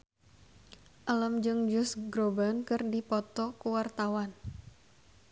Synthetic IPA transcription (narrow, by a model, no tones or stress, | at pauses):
ʔaləmd͡ʒɨŋd͡ʒʊsɡɾobankɨrdipɔt̪ɔkuwart̪awan